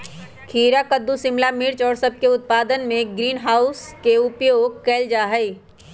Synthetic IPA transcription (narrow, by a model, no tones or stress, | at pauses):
kʰiːɾakəd̪ːusɪmlamɪɾt͡ʃɔːɾsɐb̚keʊt̪̚paːd̪ənmẽɡɾiːnɦaːʊskeʊpjokɛːld͡ʒaːɦɛi